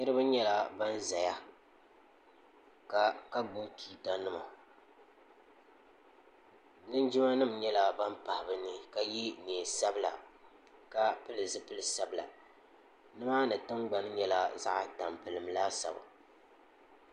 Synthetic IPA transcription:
nɨ˦ɾɨ˦bɨ˦ɲɛ˦la˦ba˦n˦za˨ja˦ | ka˨ka˦ɡ͡bo˦tʰiː˨ta˦nɨ˦ma˨ | nɨ˦nd͡ʒɪ˦ma˦nɨ˦mɲɛ˦la˦ba˦npa˨hɪ˨bɨ˦nɨ˦ka˨ji˦ne˨sa˦bɨ˦la̰˨ | ka˦pɨ˦lɨ˨zɨ˦pɨ˦lɨ˨sa˦bɨ˨la̰˨ | nɨ˦maː˦nɨ˨tɨ˦ŋɡ͡ba˨n˦ɲɛ˦la˦za̰˦ʔta˨mpɨ˨lɨ˨mlaː˦sa̰˨ba̰˨

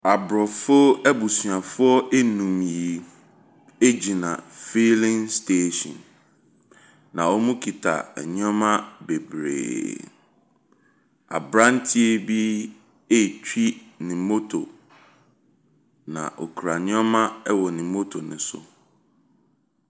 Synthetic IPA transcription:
a˨bɾɔ˨fʊ˦ɛ˦bu˨su˨ã˨fʊ˦ɔ˦ʔe˦nũ˨m˨ji˨ | e˦d͡ʑi˨nã̰˨fi˦lɪ̃˦ŋstʰe˦ʃɔ̰̃˨n | nã˨ɔ˦mũ˦kʰi˨tʰa̰˨ɛ˨ɲ˦ɔ˦mã˦be˨bɾḛː˨ | a̰˨bɾã˦n˦tʰi˦e˦bi˦ | e˦˨t͡ɕᶣi˦nɪ̃˨mo˦tʰo˨ | nã̰˨ʔɔ̰˨kʰɾa˨ɲ˦ɔ˦mã˦ɛ˦wɔ˨nɪ̃˨mo˦tʰo˨nɪ̰̃˨sʊ̰˦

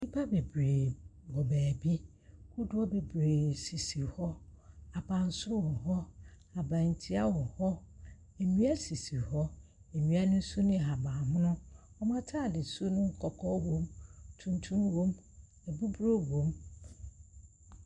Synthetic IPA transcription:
i˦pʰa˦be˨bɾeː˨wɔ˨bæː˨bi˦ | kʊ˦dʊ˦ɔ˦be˨bɾeː˨si˨si˨hɔ˦a˨bã˨n̩˨˦sʊ˦wɔ˨ɦɔ˦ | a˨bã˨n˨tʰi˦a˦wɔ˨hɔ˦ | e˨nĩ˦a˦si˨si˨hɔ˦ | e˨nĩ˨˦a˦nʊ̃˦n̩˦su˦nɪ̃˦˨ɦa˨bãː˨mʊ̃˦nʊ̃˦ | ɔ˦mã˦tʰa˦˨dɪ˨su˦nʊ̃˦ŋ̩˦˨kʰɔ˨kʰɔ˦wõ˦mtʰũ˦n˦tʰũ˦mwõ˦m | ɛ˨bu˦bɾo˦wõ˨m

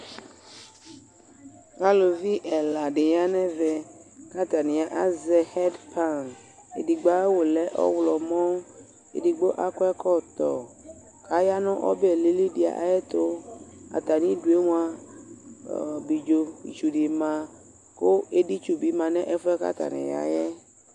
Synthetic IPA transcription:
a˦lo˨vi˦ʔɛ˨la˨ɖe˨ja˦nɛ̃˦vɛ˨ka˦t̪a˨nĩ˨a˨ʔa˦zɛ˨hɛ˦dpʰa˦n | ḛ˨di˨ɡ͡ba˦e˦wo˨lɛ˦ʔɔ̰˦wlɔ˨mɔ̃˦ | ḛ˨di˨ɡ͡bo˦ʔa˦kɔ˦ɛ˦kɔ˦t̪ɔ̰˨ | kʰa˦ja˦nɔ̃˦ʔɔ̰˦bɛ˨li˦li˦di˨a̰˨ʔa̰˨jɛ˦t̪o˦a̰˨t̪a˨nĩ˦du˨e˦ŋũ˦a˦˨ | bi˨d͡ʒo˨bḭ˨t͡ʃu˨ɖi˨mã˨ | ko˦e˦ɖi˦t͡ʃu˦bi˨˦mã˨nɛ̃˦ʔɛ˦fɔ˦ɛ˦ka̰˦t̪a̰˨nɛ̰̃˨ja̰˨jɛ˦

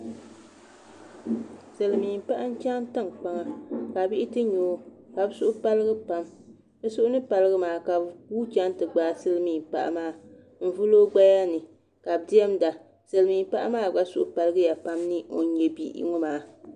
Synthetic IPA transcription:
sɨ˨lɨ˨miː˨m˨pa˦ʔa˦n̩˦t͡ʃa˦m˦tɨ˦ŋk͡pa˦ŋa˦ka˨bi˦ʔɪ˦tɨ˦ɲoː˨˦ | ka˨bsʊ˦ʔʊ˦pa˦lɨ˦ɡɨ˦pa˦m | dɨ˦sʊ˦ʔʊ˦nɨ˦pa˨lɨ˦ɣɨ˦maː˨ka˨uː˦t͡ʃa˦n˦tɨ˨ɡ͡baː˨˦sɨ˦lɨ˦miː˨m˨pa̰˨ʔa̰˦maː˦ | m̩˦vu˦loː˦ɡ͡ba˦ja˦nɨ˨ | ka˨bdi˦ɛ˦mda˨ | sɨ˨lɨ˨miː˨m˦pa˦ʔa˦maː˦˨ɡ͡ba˦sʊ˦ʔʊ˦pa˨lɨ˦ɡɨ˦ja˨pa˦mnɨ˦o̰˨n˦ɲɛ˨bḭ˦ʔḭ˦ŋɔ˦maː˨˦

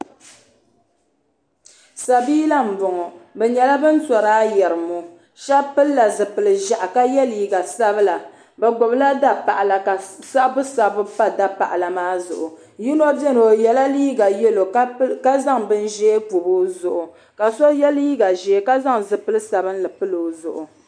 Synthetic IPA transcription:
sa˨biː˦la˦m̩˨vʊ˨ŋɔ˨bɛ˨ɲɛ˨la˦bɨ˦n˦sɔ˨ɾaː˦jɛ˨ɾɨ˨mu˨ | ʃa˦pɨ˦lːa˨zɨ˨pɨ˨lɨ˨ʒa˨ʔa˨ka˦jɛ˦liː˦ɡa˨sa˦bɨ˦la˨ | bɛ˨ɡʊ˨bla˦da˦pa˨ʔa˨la˨ka˨sa˦bʊ˦sa˦bʊ˦pa˦da˦pa̰˨ʔa˨la˨maː˦zʊ̰˨ʔʊ˨ | ji˦nɔ˦bɛ˦no˨jɛ˨la˦liː˦ɡa˨jɛ˦lo˨˦ka˦za˦ŋbɨ˦n˦ʒɛ˦k͡pu˨bu˦zʊ˨ʔʊ˨ | ka˨sɔ˦jɛ˦liː˦ɡa˨ʒɛ˨˦ka˦za˦ŋzɨ˨pɨ˦lɨ˦sa˨bɨ˦n̩˦lɨ˨pɨ˦lo˨˦zʊ̰˨ʔʊ˨

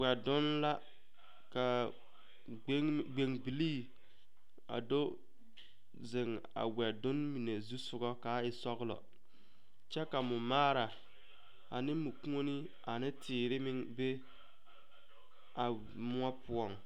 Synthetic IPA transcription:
wɛ˨dʊ˦nla˦ | ka˨˦ | ɡ͡be˨ŋbi˨liː˦ | a̰˨do˦ | zɪ˨ŋ | a̰˨wɛ˨dʊ˦nmi˨ne˨zu˦sʊ˦ɡɔ˦ka˦ɪ˨sɔ˦ɣlɔ̰˨ | t͡ʃɛ˦ka˨mʊ˨maː˦ɾa˨ | a˨nɪ˦mʊ˨kũ˦o˦ni˦ | a˨nɪ˦tʰɪː˨ɾɪ˦mɪ˦ŋbe˦ | a˨ | mʊ˦a˦pʊ˦ɔ˨ŋ

